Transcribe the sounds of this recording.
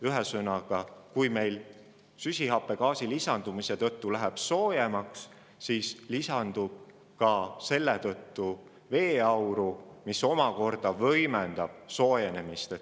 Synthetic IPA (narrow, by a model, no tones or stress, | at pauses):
yɦesɤnɑɡ̥ɑkujme̞jl | sysʲihɑpːˑe̞kɑːsilisɑnd̪̥umiset̪ɤ̞t̪ːulæɦeb̥so̞ːjemɑks | sislisɑnd̪ub̥̚ | kɑse̞lːe̞t̪ɤ̞t̪ːu | ve̞ːɑwɾumiso̞mɑko̞rd̪̥ɑvɤjmend̪̥ɑb̥so̞ːjene̞mist̪e